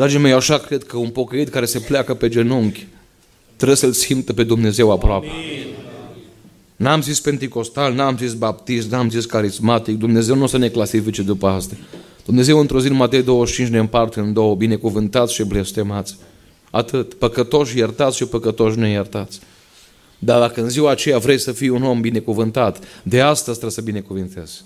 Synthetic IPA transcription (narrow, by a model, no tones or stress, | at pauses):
d̪ɾad͡ʒimejaʃakɾe̞d̪kəunpo̞kəit̪kaɾe̞sepleakəpe̞d͡ʒenuŋkʲ | t̪ɾəsəlsimt̪əpe̞d̪umne̞ze̞wapɾoape | namzispe̞nt̪iko̞st̪alnamzisbap̚t̪ist̪namziskaɾizmat̪ik̚d̪umne̞ze̞wnusəne̞klasifit͡ʃe̞d̪upəast̪ad̪̥umne̞ze̞wɨnt̪ɾozinmat̪e̞jd̪o̞wəʃt͡ʃint͡ʃnempart̪eɨnd̪o̞wəbine̞kuvɨnt̪at̪sʃible̞st̪e̞mat̪sʲ | at̪ɨt̪pəkət̪o̞ʃjert̪at̪sʃipəkət̪o̞ʃ̬nejert̪at̪sʲ | d̪ad̪akəɨnziwaːt͡ʃe̞javɾejsəfijuno̞mbine̞kuvɨnt̪at̪d̪e̞ast̪əzt̪ɾesəbine̞kuvint̪e̞z̥